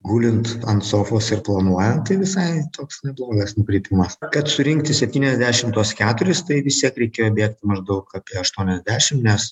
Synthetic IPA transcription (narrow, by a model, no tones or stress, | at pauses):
ɡuːlʲɪnt̪ɐnt̪soːfoːsɪɾplˠɐnuɔjɛnt̚t̪ɐɪʋʲɪsɐɪt̪oːksnʲɛblˠoːɡɐsnʊkɾʲiːpʲɪmɐskɐt̪sʊɾʲɪŋkt̪ʲɪsʲɛpʲt̪ʲiːnʲɛzʲd̪ʲæːʃʲɪmt̪uɔskʲæːt̪ʊɾʲɪst̪ɐɪʋʲɪst̪ʲiɛkɾʲɛɪkʲeːjoːbʲeɛkt̪ʲɪmɐʒd̪ɐʊkaːpʲiɛɐʃt̪uɔnʲɛzʲd̪ʲæːʃʲɪmnʲɛs